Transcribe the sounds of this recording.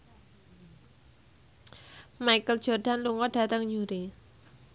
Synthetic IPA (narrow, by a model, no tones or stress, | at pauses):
majkəld̥ʒ̥ɔ̤rɖ̥a̤nluŋɔd̥a̤t̪əŋɲuɾi